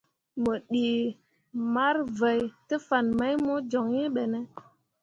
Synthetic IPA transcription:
mə˨ɗi˨ | ma˦ɾvə˨jtə˦fa˨nma˦jmo˦d͡ʒo˨ŋi˦ɓe˨ne˦

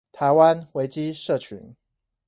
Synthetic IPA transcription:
t̪ʰa˧˦ɪwa˦nwe˨˥ɪt͡ɕi˦˥ʂɤ˥˩t͡ɕʰy̰˧˥˦n

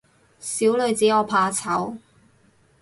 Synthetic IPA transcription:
siː˨˥wlɵ˨˧ɥt͡siː˨˥ɔː˨˧pʰaː˨˧t͡sʰɐ˨˥w

